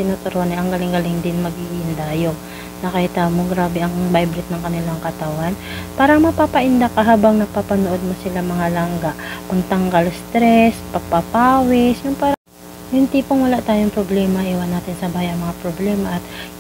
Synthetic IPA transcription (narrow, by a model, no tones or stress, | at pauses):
t̪ɪnoːt̪ʊɾohɐnɛʔɐŋɡɐlɪŋɡɐlɪŋd̪ɪnmɐɡiʔʔɪnd̪ajo | nɐkɐhɪt̪aːmoɡɾaːbɛʔɐŋbajbɾɪt̪̚nɐŋkɐnɪlaŋkɐt̪ɐwanpaːɾɐŋmɐpapɐʔɪnd̪akɐɦaːbɐŋnɐɡ̚papɐnoʔod̪̚mosɪlaŋmɐŋalɐŋɡaʔkʊnt̪ɐŋɡɐlst̪ɾɛspɐɡ̚pɐpaːwɪsjʊŋpaː | jʊnt̪iːpoŋwɐlaʔt̪aːjoŋpɾoblɛːmɐʔiwɐnːaːt̪ɪnsɐbaːjɐŋmɐŋapɾoblɛːmɐʔɐt̪